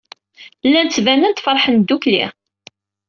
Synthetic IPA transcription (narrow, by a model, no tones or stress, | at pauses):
lːænt͡sːvænənt̪fəɾˤħənd̪ːuklḭ